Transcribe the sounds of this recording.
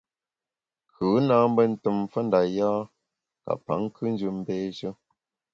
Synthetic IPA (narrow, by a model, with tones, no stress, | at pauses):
kʰʉ˨˦naː˦m˦bə˦n̩˨tə˨mfə˦nda˨jaː˦ | ka̰˨pa̰˨˦ŋ˦kʰɨ˦n˦d͡ʒɨ˨m̩˦bɛː˦ʃə˦